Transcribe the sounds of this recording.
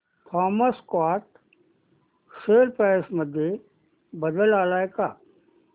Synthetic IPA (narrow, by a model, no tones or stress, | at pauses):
pʰaːməskwaːʈ̪ | seːlpɛːsməd̪ʱje | bəd̪əlaːlaːekaː